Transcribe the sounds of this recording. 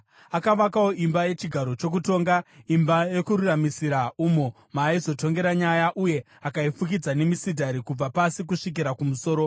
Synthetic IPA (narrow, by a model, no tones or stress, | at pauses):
akaʋakao̞ʔimbaje̞t͡ʃiɡʱaɾo̞t͡ʃo̞k̬uto̞ːŋɡaimbaje̞kuɾuramisiɾaumo | maizo̞to̞ŋɡe̞ɾaɲajaʔuje̞ | akaifuk̬id͡zane̞misidʱaɾikub͡vapasikuʂik̬iɾakumuso̞ːɾo̞